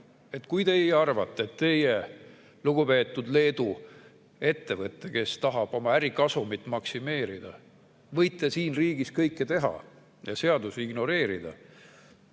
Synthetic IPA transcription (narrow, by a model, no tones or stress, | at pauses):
e̞t̪ːkujt̪e̞ijɑrvɑt̪ˑːeet̪ːe̞je | luɡ̥upe̞ːt̪ːˑud̪le̞ːd̪u | e̞t̪ːe̞vɤt̪ːˑe̞ke̞st̪ɑɦɑb̥o̞mɑæɾikɑsumit̪ːˑmɑksime̞ːɾid̪̥ɑ̰ | vɤjt̪ːˑe̞siːnriːɡ̥iskɤjkˑːe̞t̪e̞ɦɑ̰ | jɑse̞ɑd̪useiɡ̥no̞ɾe̞ːɾid̪̥ɑ̰